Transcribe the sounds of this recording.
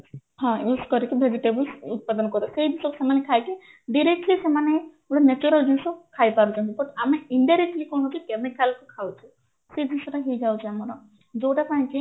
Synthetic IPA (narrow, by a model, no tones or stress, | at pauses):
hãjuskɔɾikibʱed͡ʒiʈebəlsut̪̚pad̪ɔnɔkɔɾɔsejd̪isɔkesemanekʰajki | ɖiɾek̚ʈlisemane | oɽanet͡ʃuɾald͡ʒinsɔkʰajpaɾut͡ʃʰɔ̃nt̪ibɔʈameiɳɖiaɾeʈlikɔɳ̃ɔt̪ikemikalkukʰawt͡ʃʰi | sed̪insɔʈaɦid͡ʒawt͡ʃʰiamɔɾɔ | d͡ʒowʈapaĩki